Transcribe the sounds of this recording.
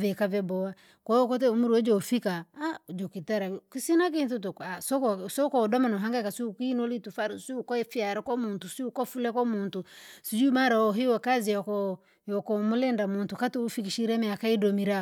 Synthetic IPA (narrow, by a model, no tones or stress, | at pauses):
vɛkavɛbɔwa | kɔɔkɔtɛumuɾiɔd͡ʒɔfikaad͡ʒokitaɾakisinak̬inθutukasɔksɔkɔdɔmanɔaŋɡakasiukinolitufaɾisiukɔfiaɾɔkɔmuntusiukɔfulɛkɔmuntusid͡ʒumaɾaɔɦiwɛkaziɔkɔ | jɔkɔmulɛndamuntukatuːfikiʃiɾɛmɛakaidɔmiɾa